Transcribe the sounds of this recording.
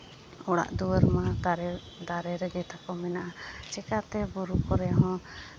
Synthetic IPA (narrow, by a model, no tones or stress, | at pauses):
ɔɽa̰ʔd̪uwəɾmat̪aɾɛ | d̪aɾɛɾɛɡɛt̪akɔmɛnaʔat͡ʃɛkat̪ɛbuɾukɔɾɛaɦɔ̃